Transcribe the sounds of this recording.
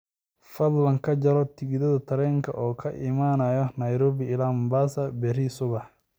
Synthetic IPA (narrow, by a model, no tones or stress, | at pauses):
fɐd̪lɐŋkʰɐd͡ʒɐɾɔt̪ʰɪɣɪðɐðɐt̪ʰɐɾɛːŋkʰɐ̰ʔɔːkʰɐʔɪmaːnajɔnɐjɾɔːβɪɪlammbaːsɐbɛrisʊɣɐ